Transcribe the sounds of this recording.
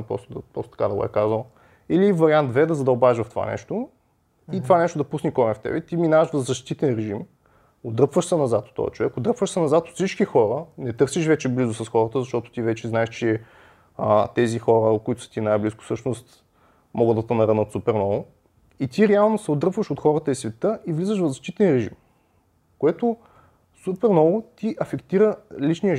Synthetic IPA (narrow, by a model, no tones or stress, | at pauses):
pɾɔ̰st̪ʊd̪pɾɔst̪t̪ɐka̰d̪ɐɡʊ̰ɛ̰kazəlˠ | ilivɐɾiant̪vɛd̪əzɐd̪ɐobaɛʒvɐft̪o̥va̰nɛ̰ʃt̪o | it̪vanɛʃt̪ʊd̪ɐpusnikɔɾɛft̪ɛ̰bɛt̪iminaəʃvɐzɐʃt̪it̪ɛnɾɛʒim | od̪ɾɤəpvəʃsɛnɐzat̪o̥t̪ːɔ̰ɛ̰t͡ʃovɛkʊd̪ɾɤpvəʃsɛnɐzat̪ot̪sit͡ʃkixɔɾənɛt̪ɤɾsiʃvɛt͡ʃɛblizʊsɐsxɔɾət̪əzɐʃt̪ɔt̪ʊ̥t̪ivɛt͡ʃɛznaɛʃt͡ʃɛ | t̪ɛzixɔɾəkʊit̪ʊ̥sə̥t̪inajbliskʊ̥fsɤʃnost̪ | mɔɡəd̪ːɐt̪ɐnɐɾənət̪supɛɾnɔlˠ | it̪iɾɛalˠnosɛod̪ɾɤpvəʃot̪xɔɾət̪əisvɛt̪ɤʔivlizəʃvɐvzɐʃt̪it̪ɛnɾɛʒḭm | koɛt̪ʊ | supɛɾnɔlˠʊt̪iʔɐfɛkt̪iɾəlit͡ʃnijə